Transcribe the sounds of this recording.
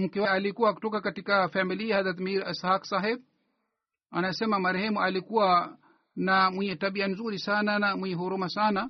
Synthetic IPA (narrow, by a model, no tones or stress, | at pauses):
m̩kɛwaalikuwaku̥tɔkakatikafamiliahaðat̪miɾashaksaɦɛb̚ | anaɛsɛmamaɾɛhɛmualikuwa | namwiɲɛtaɓianzuɾisananamwiɲɛɦɔɾumasana